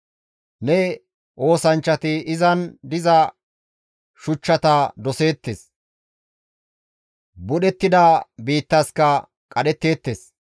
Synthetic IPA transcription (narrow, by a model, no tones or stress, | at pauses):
nɛ | ʔo̞ːsɐnt͡ʃːɐt̪ɪɪzɐnd̪ɪzɐ | ʃʊt͡ʃːɐt̪ɐd̪ɔse̞ːt̪ːes | bʊɗɛt̪ːɪd̪ɐbiːt̪ːɐskɐ | kʼɐɗɛt̪ːe̞ːt̪ːes